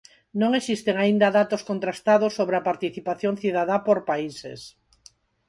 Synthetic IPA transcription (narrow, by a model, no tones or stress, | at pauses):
nõŋesist̪eŋaind̪ɐðat̪oskont̪ɾast̪aðosːoβɾeapaɾt̪iθipaθjonθiðaðapoɾpaisḛs